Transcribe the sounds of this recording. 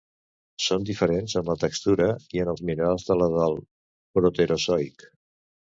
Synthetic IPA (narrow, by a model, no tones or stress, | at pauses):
sond̪ifəɾenzənlət̪əkst̪uɾəiənəlˠzminalˠzðələðalˠ | pɾot̪əɾʔosɔjk